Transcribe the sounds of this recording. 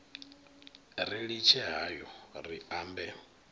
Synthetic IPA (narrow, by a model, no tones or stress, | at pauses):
riɺit͡ʃʰɛɦajɔriaːmbɛ